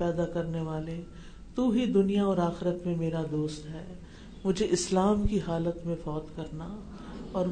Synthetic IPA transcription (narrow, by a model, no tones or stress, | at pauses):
ɛːd̪akɐɾneʋaːle | t̪uːɦid̪ʊnijaɔːɾaːxɪɾət̪mẽmeːɾad̪oːst̪ɦɛː | mʊd͡ʒʱeʔɪslaːmkiɦaːlət̪mẽfɔːt̪kɐɾna | ɔːɾ